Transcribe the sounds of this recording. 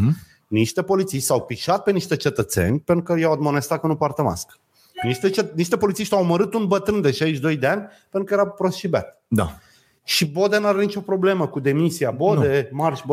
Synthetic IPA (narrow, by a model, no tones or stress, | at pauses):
niʃt̪e̞po̞lit̪siʃt̪ʲsawpiʃat̪̚pe̞niʃt̪e̞t͡ʃe̞t̪ət̪se̞̰nʲpenɾukəjawad̪monest̪at̪̚kənupart̪əma̰sk | niʃt̪eeniʃt̪e̞po̞lit̪siʃt̪ʲawməɾɨt̪unbət̪ɾɨnd̪e̞ʃaiʃd̪o̞jd̪eanʲpeɾukəjeɾawpɾosʃiba̰t̪ | d̪a̰ | ʃibo̞d̪e̞nuaɾanit͡ʃʲo̞pɾo̞ble̞məkud̪e̞misiabod̪emarʃbo